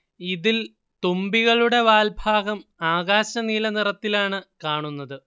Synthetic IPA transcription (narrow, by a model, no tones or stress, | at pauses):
iðil | t̪ombiɣɐɭuɽe̞ʋaːlbʱaːɡɐmaːɣaːɕɐniːlɐnirɐt̪ːilaːɳɨkaːɳunːɐðɨ